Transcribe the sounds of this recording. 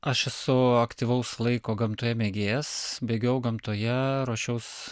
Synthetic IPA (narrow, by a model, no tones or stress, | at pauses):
ɐʃɛsʊɐkt̪ʲiːʋɐʊslˠɐɪkoːɡɐmt̪oːjɛmʲeːɡʲeːjɛsbʲeːɡʲɛʊɡɐmt̪oːjɛɾoːʃʲɛʊs